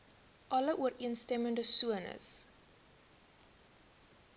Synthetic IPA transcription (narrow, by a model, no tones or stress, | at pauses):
ʔɐləʔuəriənstɛməndəsuənə̰s